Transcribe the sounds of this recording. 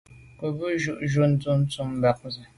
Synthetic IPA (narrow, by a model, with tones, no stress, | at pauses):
ku˨bu˦ʒu˦˨ʔʒu˦n̩˦tu˦n̩˦t͡su˦m˦ba˨˦k̚zɛ˨